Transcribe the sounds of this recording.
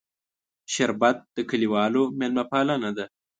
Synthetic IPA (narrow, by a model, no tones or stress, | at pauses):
ʃaɾbat̪̚d̪̥əkəliwɑːlomelmapɑːlanad̪a